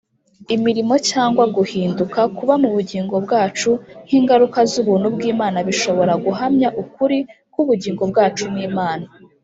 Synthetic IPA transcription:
imiɾimo̞caːŋɡwaɡuhiːndukakuβamuβuɟiːŋɡo̞bɡaːt͡ʃun̥hiːŋɡaɾukazuβuːn̥hubɡiːmaːnaβiʃo̞βo̞ɾaɡuɦamɲaʔukuɾi | kuβuɟiːŋɡo̞b̚ɡaːt͡ʃumŋiːmaːna

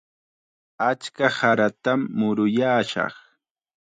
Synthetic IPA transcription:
at͡ʃkahaɾat̪amːʊɾʊjaːʃɑ̰χ

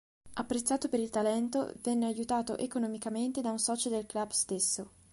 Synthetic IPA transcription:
apːɾet̪sːaːt̪opeɾilt̪alɛnt̪o̰vɛnːeajut̪aːt̪o̰ʔekonomikament̪ed̪aunsɔːt͡ʃod̪elklabst̪esːo

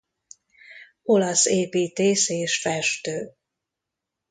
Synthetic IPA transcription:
o̞lɒseːpiːt̪eːseːʃfɛʃt̪øː

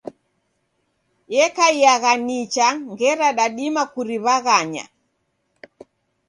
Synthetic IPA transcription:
jɛkaiaɣanit͡ʃaŋɡɛɾaɗaɗimakuɾiβaɣaɲa̰

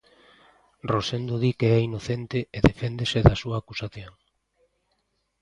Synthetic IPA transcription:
rosend̪oðikeɛinoθent̪ɪeðefend̪esɪðasuaːkusaθjoŋ

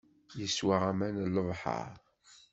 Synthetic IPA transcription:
jəswaʁæmænlːəvˤħɑ̰ɾ

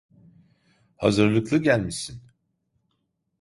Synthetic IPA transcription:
ha̰zɯɾlˠɯklˠɯɟælʲmisin

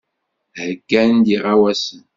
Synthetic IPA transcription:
həɡænd̪iʁawæsən

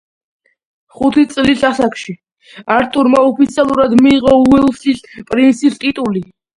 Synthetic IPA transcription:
χut̪ʰit̪sʼlisasakʰʃi | aɾt̪ʼuɾmaɔpʰit̪sʰialˠuɾad̪miːʁɔuɛlˠsispʼɾint̪sist̪ʼit̪ʼuli

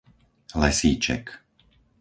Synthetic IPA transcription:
lɛsiːt͡ʃɛ̰k

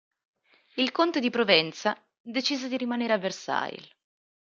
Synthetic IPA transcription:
ilkont̪ed̪ipɾovɛnt̪sa | d̪et͡ʃiːzed̪iɾimaneːɾeavːersa̰j̰l

